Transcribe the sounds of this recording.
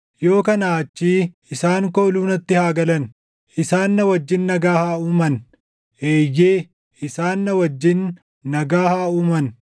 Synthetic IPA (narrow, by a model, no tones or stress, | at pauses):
jo̞ːkɐnaːt͡ʃːiː | ɪsaːŋkoːluːnɐt̪ːɪhaːɡɐlɐn | ʔɪsaːnːɐwɐd͡ʒːɪnːɐɡaːhaːuːmɐn | ʔeːjːeː | ɪsaːnːɐwɐd͡ʒːɪnː | ɐɡaːhaːuːmɐn